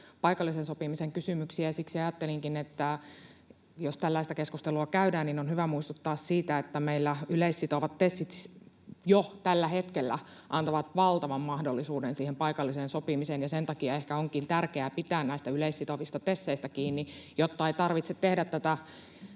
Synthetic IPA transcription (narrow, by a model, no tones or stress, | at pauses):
pɑikɑlːisensopimiseŋkysymyksiæsiksiɑjɑt̪ːeliŋkinet̪ːæ | jost̪ælːæist̪ækeskust̪eluɑkæydæːninonhyʋæmuist̪ut̪ːɑːssiːt̪æet̪ːæmeilːæyleisːit̪oʋɑt̪tesːit̪ | jot̪ælːæhet̪kelːæ̰ | ʔɑnt̪ɑʋɑt̪ʋɑlt̪ɑʋɑmːɑhdolːisuːdensiːhempɑikɑlːiseːnsopimisenjɑsent̪ɑkiɑehkæoŋkint̪ærkeæpit̪æːnnæist̪æyleisːit̪oʋist̪ɑt̪esːeist̪ækiːnːijot̪ːɑeit̪ɑrʋit̪set̪t̪ehdæt̪t̪ːæt̪æ